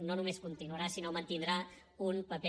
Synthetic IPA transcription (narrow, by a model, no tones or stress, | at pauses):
nonumeskunt̪inuəɾasinomənt̪ind̪ɾaunpəpɛ